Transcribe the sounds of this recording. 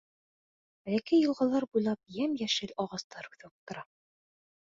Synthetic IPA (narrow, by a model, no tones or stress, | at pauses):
bælækijɤ̆lˠʁɑlˠɑɾbujlˠɑp̚jæmjæʃɘlɒʁɑst̪ɑɾʉ̥θɘ̆wɘp̚t̪ŏɾɑ